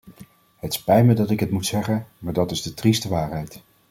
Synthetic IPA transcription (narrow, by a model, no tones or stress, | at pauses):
hətɪ̥spɛjmədɑtɪkɦətmutsɛχənmaːɹdɑtɪzdətristəʋaːɹɦɛjt